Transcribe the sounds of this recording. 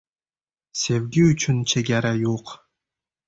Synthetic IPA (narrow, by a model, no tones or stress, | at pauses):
sʲevɡʲiyt͡ʃʰynt͡ʃʰeɡʲæɾæjoq